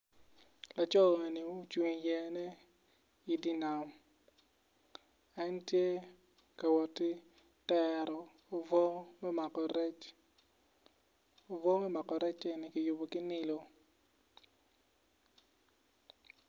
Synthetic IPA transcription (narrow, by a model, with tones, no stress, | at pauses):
la˨t͡ʃɔ˦ɔ˨e˨ni˨u˦t͡ʃwi˨ɲjɛ˨nɛ˦ | i˨di˦na˨m | a˦ntje˦ | ka˨wɔ˨tɪ˦ | tɛ˦ɾɔ˨ | vɔ˦mɛ˦ma˨kɾt͡ʃ | o˨vɔ˦mɛ˦ma˨kɔ˨ɾɛ˦t͡ʃɛ˦ni˨kɪ˨jʊ˨bo˨kɪ˦nɪ˦lo˨